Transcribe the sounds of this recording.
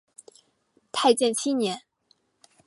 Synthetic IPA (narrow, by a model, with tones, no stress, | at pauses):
pʰa˥˧ɪt͡ɕjɛ˥˩nt͡ɕʰi˥njɛ˧˥n